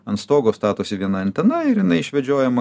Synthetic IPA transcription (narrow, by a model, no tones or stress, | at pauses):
ɐnt̪st̪oːɡoːst̪ɑːt̪oːsʲɪʋʲiɛnɐɐnʲt̪ʲɛnɐɪɾjɪnɐɪɪʃʲʋʲɛd͡ʒʲoːjɛmɐ